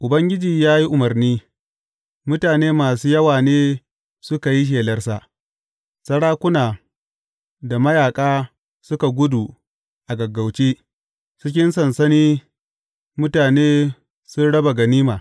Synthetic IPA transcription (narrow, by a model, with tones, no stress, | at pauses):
ʔʊ˨bɐ˦ŋɡʲɪ˦d͡ʒiː˨jaː˦ji˦ʔʊ˨mɐ˨rniː˦ | mʊ˦taː˨neː˦maː˨suː˦jɐ˦waː˨neː˦ | sʊ˦ka˨ji˦ʃ̬eː˨lɐ˦rsa˦ʔ | sɐ˦ɽaː˦kʷʊ˦naː˨ | da˨mɐ˦jaː˨kʼaː˦ | sʊ˦ka˨ɡʷʊ˦du˨ | ʔa˨ɡɐ˨ɡːa˨wt͡ʃeː˦ | sʊ˦k̬ʲɪ˦nsɐ˨nsɐ˦niː˦ | mʊ˦taː˨neː˦ | sʊ˦nɽɐ˦ba˨ɡɐ˨niː˦maː˨